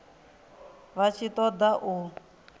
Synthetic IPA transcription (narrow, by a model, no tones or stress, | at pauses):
βat͡ʃʰit̪ɔd̪aʔu